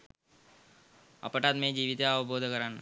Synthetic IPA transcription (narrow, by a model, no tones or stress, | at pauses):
ɐ̰pəʈaːt̪mẽd͡ʒiːʋit̪eɐʋboːd̪ʱkəɾaːn